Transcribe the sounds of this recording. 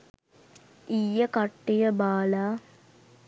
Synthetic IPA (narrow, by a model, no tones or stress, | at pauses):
ijːəkaʈːijəbaːlaː